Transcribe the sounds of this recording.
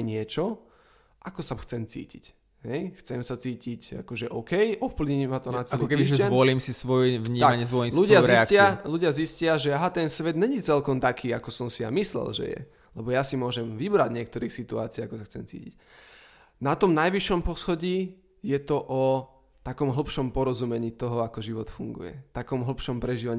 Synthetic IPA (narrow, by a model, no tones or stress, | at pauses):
ɲɪɛt͡ʃɔ | ʔakɔsaxt͡sɛmt͡sḭːcḭc | ɦɛjxt͡sɛmsat͡siːcica̰kɔʒɛʔɔʊkɛjʔɔfpliɲmat̪ɔnat͡sɛliɔkɛiiʒɛzzɛʋɔliːmsisʋɔjɛvɲiːaaɲɪɛzʋɔliːluɟɪazɾiɛskɪaluɟɪaziscɪaʒɛaɦat̪ɛnsʋɛd̪ɲɛɲit͡sɛlkɔmt̪akʰiːakɔsɔmsija̰mislɛ̰lʒɛ̰jɛ̰ | lɛbɔjasimʊɔʒɛmʋibɾaɟɲɪɛk̚t̪ɔɾiːxsit̪ua̰ːt͡siːakɔsaxt͡sɛmt͡sḭːcḭc | nat̪ɔmnajʋiʃɔmpɔsxɔɟiː | jɛt̪ɔʔɔ | t̪akɔmɦl̩pʃɔmpɔɾɔzumɛɲiːt̪ɔɦɔakɔʒiʋɔt̪fuŋɡṵjɛ̰t̪akɔmɦl̩pʃɔmpɾɛʒiːʋaɲ